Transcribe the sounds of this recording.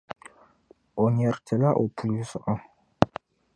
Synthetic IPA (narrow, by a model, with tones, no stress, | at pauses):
ɔ˨ɲɛ˨ɾtʰɛ˨la˦ʔo˨pʰu˨lu˦sɔ˨ʔɔ˦